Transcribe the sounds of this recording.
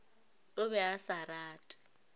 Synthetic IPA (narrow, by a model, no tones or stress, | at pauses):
ʊβɛasaraːtʼḁ